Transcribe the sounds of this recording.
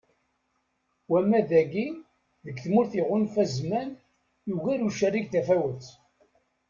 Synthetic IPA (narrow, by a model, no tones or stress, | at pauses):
wæmːæðæɡi | ðəɡθmʊɾθiʁʊnfæzmæn | juʝæɾuʃærːiɡθæfæwət͡sː